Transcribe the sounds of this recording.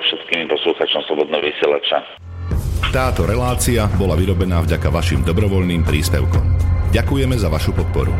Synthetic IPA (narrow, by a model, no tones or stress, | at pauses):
fʃɛt̪kiːmipɔsluːxat͡ʃɔmslɔbɔd̪nɛɦɔʋisɪɛlat͡ʃa | t̪aːt̪ɔɾɛlaːt͡siabɔlaʋiɾɔbɛnaːvɟakaʋaʃiːmd̪ɔbɾɔʋɔʎniːmpɾiːspɛʊkɔ̰mɟakujɛmɛzaʋaʃupɔt̪̚pɔ̰ɾṵ